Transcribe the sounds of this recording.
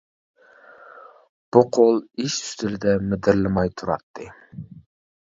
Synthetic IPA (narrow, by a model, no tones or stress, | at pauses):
b̥uqʰolˠiʃy̥st̪ʰɪlɪd̪ɛmɪd̪ɪɾlɪmɑjt̪ʰuɾɑ̰t̪ʰːɨ